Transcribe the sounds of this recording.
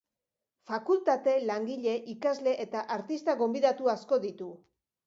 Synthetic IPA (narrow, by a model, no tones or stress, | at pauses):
fakult̪at̪e̞laŋɡiʎe̞ʔikazle̞ʔet̪aʔaɾt̪ist̪aɣo̞mbiðat̪uasko̞ðit̪u